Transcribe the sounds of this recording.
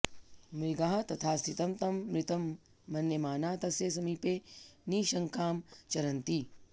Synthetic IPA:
mɾiɡaːɦɐt̪ɐt̪ʰaːst̪it̪ɐmt̪ɐmːɾit̪ɐmː | ɐnjɐmaːnaːt̪ɐsjeːs̬ɐmiːpeːniːʃɐŋkaːmt͡ʃɐɾɐnt̪i

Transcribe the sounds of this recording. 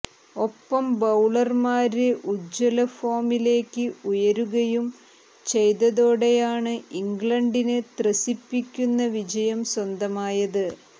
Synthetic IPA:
o̞pːɐmbɐwɭɐrmaːɾɨʔud͡ʑːɐlɐfoːmile̞ːkʲːɨujɐɾuɣɐjum | t͡ɕe̞jðɐðoːɽejaːɳɨʔiŋɡɭɐɳɖinɨt̪rɐsipːikʲːunːɐʋid͡ʑɐjɐmswɐnd̪ɐmaːjɐðɨ

